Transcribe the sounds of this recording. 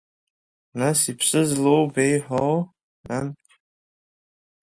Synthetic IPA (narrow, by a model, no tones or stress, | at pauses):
nasipʰsɨzlowbejħʷaw | nan